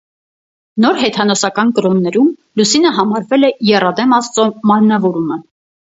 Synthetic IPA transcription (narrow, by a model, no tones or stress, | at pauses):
nɔɾɦɛt̪ʰɑnɔsɑkɑnkəɾɔnːɛɾumlusinəɦɑmɑɾvɛlɛjɛrɑd̪ɛmɑst͡sɔmɑɾnɑvɔɾumə